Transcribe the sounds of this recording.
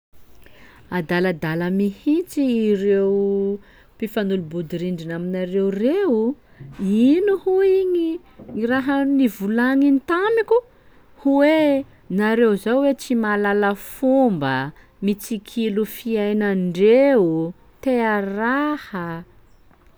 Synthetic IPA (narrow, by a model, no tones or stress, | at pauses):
ad̪aləd̪aləmihit͡siːɾew | pifanulubud̪iɾiɳɖ͡ʐinaminaɾewreu | inuhuiɲi | ŋiɾaɦənivulaŋint̪amikʲu | huwe | naɾewzawwet͡simalaləfumbə | mit͡sikʰilufiajnaɳɖ͡ʐeu | t̪earahə